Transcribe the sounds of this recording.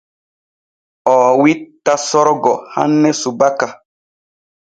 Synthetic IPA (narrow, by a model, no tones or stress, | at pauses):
ɔːwitːasɔɾɡɔha̰nːɛsubaka